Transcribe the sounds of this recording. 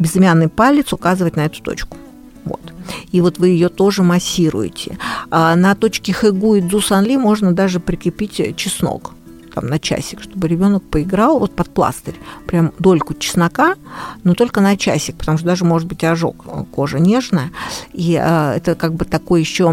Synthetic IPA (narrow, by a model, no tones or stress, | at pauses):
bʲɪzɪmʲanːɨjpalʲːɪt̪sʊkazɨvətʲnɐɛt̪ʊ̥t̪o̞̰t͡ɕkʊ̥ | vo̞̰t̪ivo̞t̪vɨjɪjot̪o̞ʐɨmɐsʲːiɾʊ̰jɪ̰tʲɪ̰anɐt̪o̞t͡ɕkʲɪxɨɡuɪd̪zusɐnlʲimo̞ʐnəd̪aʐɨpɾʲɪkɾʲɪpʲitʲt͡ɕɪsno̰k | t̪a̰mnɐt͡ɕæ̰sʲːɪ̥kʂt̪o̞bɨɾʲɪbʲo̞nək̚pəɪɡɾɑlˠvo̞t̪̚pɐt̪̚plˠa̰st̪əɾʲpɾʲamd̪o̞lʲkʊt͡ɕɪ̥snɐkanot̪o̞lʲkənɐt͡ɕæ̰sʲːɪk̚pə̥t̪ɐmuʂt̪d̪aʐɨəmo̞ʐɨt̪̚bɨtʲɐʐo̞̰kəko̞ʐɨnʲeʐnəjəiɛ̰t̪əkaɡ̚bɨt̪ɐko̞jjɪɕːo̞